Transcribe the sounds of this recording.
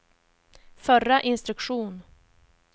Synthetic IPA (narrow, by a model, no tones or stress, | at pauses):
fœɾaʔɪnst̪ɾɵkɧuːn